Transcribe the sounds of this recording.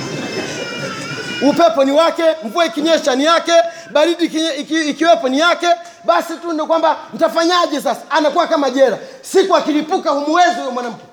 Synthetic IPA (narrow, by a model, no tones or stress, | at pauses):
upɛpɔniwakɛɱ̩vuaikiɲɛʃanijakɛ | ɓaɾiɗikikiwɛpɔnijakɛ | ɓasitunɔkwamban̩tafaɲaʄɛs̬asḁːnakuwakamaʄɛɾa | sikuakilipukahumuwɛziwamwanam̩kɛ